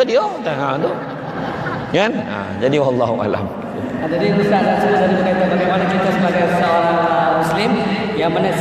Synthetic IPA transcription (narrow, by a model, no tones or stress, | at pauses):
diot̪aɦado | ŋana̰ | d͡ʒadiwɑlːɑɦuʔa̰la̰m | at̪adiust̪aʔdaʔsuɾisadibəkat̪abaɡajmanakit̪asəbaɡajsəoɾaŋmuslɪm | jaŋmana